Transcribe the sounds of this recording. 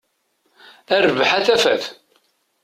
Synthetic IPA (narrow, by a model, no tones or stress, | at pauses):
æɾvħaθæfæθ